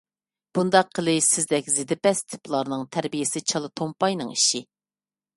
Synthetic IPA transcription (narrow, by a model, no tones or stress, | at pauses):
b̥und̪ɑqʰːəlˠɨsɪzd̪ɛkʲzɪd̪ɪpɛst̪ʰɪ̥plˠɑɾnɨŋt̪ʰæɾbijɪsɪt͡ʃʰɑlˠɨt̪ʰompɑjnɨŋiʃi